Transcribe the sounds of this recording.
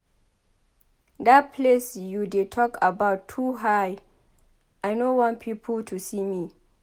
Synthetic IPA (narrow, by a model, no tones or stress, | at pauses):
dat̚pʰlesjudetʰɔkabaʊtʰːuɦaj | ʔajnowãnpʰipʰəltʰusimi